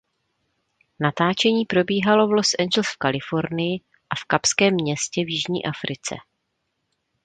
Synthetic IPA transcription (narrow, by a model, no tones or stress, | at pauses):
nat̪aːt͡ʃɛɲiːpɾo̞biːɦalo̞vlo̞sʔɛnd͡ʒɛl̩sfkalɪfo̞ɾnɪjɪ | ʔafkapskɛːmːɲɛscɛvjɪʒɲḭːʔafɾɪt͡sɛ̰